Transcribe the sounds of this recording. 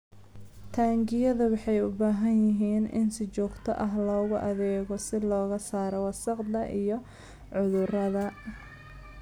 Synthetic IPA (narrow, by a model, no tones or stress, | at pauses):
t̪ʰaːŋɡɪjɐðɐwɑħɑjʊbaːɦɐnjɪɦiːnɪ̰nsɪt͡ʃɔːɡt̪ʰɔ̰ʔɐɦlɔːɣʊʔɐðɛːɣɔsɪlɔːɣɐsaːɾɔwɑsɑqd̪ɐʔijɔ | ʕʊðʊrɐðɐ